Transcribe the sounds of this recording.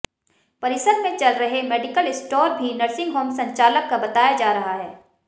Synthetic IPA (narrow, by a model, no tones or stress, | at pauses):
pɐɾɪsəd̪mẽt͡ʃɐlɾɐɦemeːɖɪkəlɪsʈɔːɾbʱinɐɾsɪ̃ŋɡɦoːmsɐ̃ɲt͡ʃaːləkːabɐt̪aːjad͡ʒaːɾɐɦaɦɛː